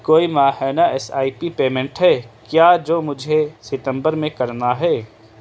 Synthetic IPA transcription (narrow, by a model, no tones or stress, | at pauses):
koːimaːɦɛnaɛsaːipipeːmẽɳʈɦɛkjaːd͡ʒoːmʊd͡ʒʱesɪt̪ə̃mbəɾmẽkɐɾnaɦɛː